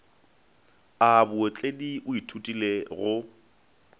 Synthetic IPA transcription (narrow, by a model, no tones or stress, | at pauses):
abʊot͡ɬʼediʔʊitʰutʼileɣʊ